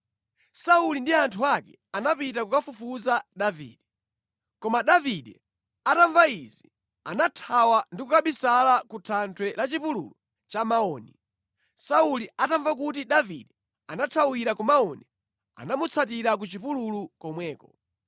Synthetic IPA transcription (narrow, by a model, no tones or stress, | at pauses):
saulindiantʰuakɛ̰ | anapit̬akukafufuzaɗavḭːɗɛ | kɔmaɗaviɗɛ | ataɱvaizi | anatʰawandikukaɓisalakutʰantʰwɛlat͡ʃipulṵlu | t͡ʃamaɔːni | sauliataɱvak̬ut̬iɗavḭɗɛ | anatʰawiɾakɔmaɔni | a̰namut͡sʰat̬iɾak̬ut͡ʃipululukɔmwɛːkɔ